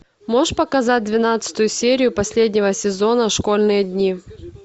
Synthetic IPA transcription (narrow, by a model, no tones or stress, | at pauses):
mo̞ʂpəkɐzat̚ʲd̪vʲɪnat̪sɨ̥t̪ʊjʊsʲeɾʲɪjʊpɐsʲlʲedʲnʲɪvəsʲɪzo̞nəʂko̞lʲnɨjəd̪ʲnʲi